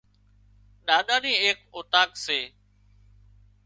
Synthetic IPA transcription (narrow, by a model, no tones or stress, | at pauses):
ɗaːɗ̪aːnĩːeːkoːt̪aːkseː